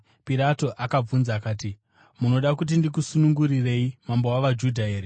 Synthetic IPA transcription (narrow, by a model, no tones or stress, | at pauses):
piɾato̞ʔakab͡vunzaːkaːti | muno̞ɗakut̬indik̬usunuŋɡuɾire̞imambo̞waʋad͡ʒudʱaɦe̞ːɾe